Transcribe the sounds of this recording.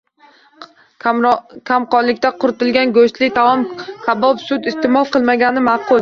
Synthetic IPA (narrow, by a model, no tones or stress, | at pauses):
kʲʰamqɒnlɪkʲt̪aqʰʊɾɪt̪ɪlɡʲanɡoʃt̪lɪt̪ʰaɒmkʲʰabɒpsʊt̪ɪst̪emɒlˠqɨlˠmaɡʲanɪmɑqʰʊlˠ